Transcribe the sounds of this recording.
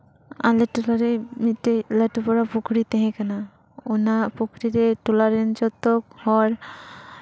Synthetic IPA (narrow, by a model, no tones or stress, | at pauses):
a̰lɛʈulaɾɛmit̪eləʈupɔɾapukʰɽit̪ɛɦɛ̃kana | unapukʰɾiɾɛʈulaɾɛnt͡ʃɔt̪ɔk̚hɔɾ